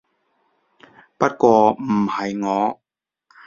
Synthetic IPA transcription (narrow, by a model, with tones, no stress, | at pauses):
pɐ˦˥t̚kʷɔː˧m̩˨˩hɐ˨˩jŋɔː˨˧˦